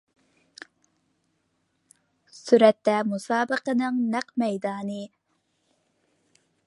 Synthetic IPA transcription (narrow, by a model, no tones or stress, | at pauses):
syɾɛt̪ːɛmusɑːbəqənɨŋnæqmɛjd̪ɑːnɨ